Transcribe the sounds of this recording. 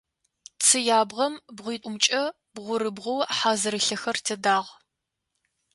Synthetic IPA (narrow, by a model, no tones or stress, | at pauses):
t͡sʰɨjaːbʁɐmbʁʷiːtʷʼʊmt͡ʃʼɐ | bʁʷʊɾɨbʁʷʊwħaːzɨɾɨɬɐxɐrtʰɐdaːʁ